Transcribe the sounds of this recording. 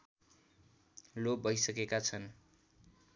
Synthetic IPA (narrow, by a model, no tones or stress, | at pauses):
lobʱʌjsʌkekat͡sʰʌn